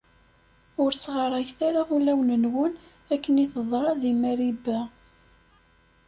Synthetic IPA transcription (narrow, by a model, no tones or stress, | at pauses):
ʊɾsʁəɾˤɑjθaɾaʁulæwnənwən | ækːəniθəðˤɾˤɑðimæɾibæ